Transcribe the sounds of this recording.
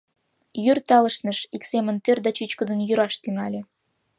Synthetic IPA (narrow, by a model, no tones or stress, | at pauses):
jyrt̪ɑləʃnəʃiksemənt̪ørd̪ɑt͡ɕyt͡ɕkəd̪ə̆njyɾɑʃt̪yŋɑlʲe